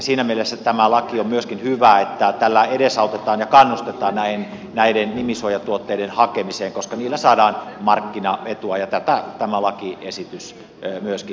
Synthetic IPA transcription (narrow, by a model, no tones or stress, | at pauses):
siːnæmielesːæt̪æmælɑkiommyøskinhyʋæːet̪ːæt̪ælːæedesɑut̪et̪ɑːnjɑkɑnːust̪et̪ɑːnnæin | næidennimisojɑt̪uot̪ːeidenhɑkemiseːŋkoskɑniːlːæsɑːdɑːnmɑrkːinɑet̪uɑjɑt̪æt̪æt̪æmælɑkiʔesit̪ys | myøski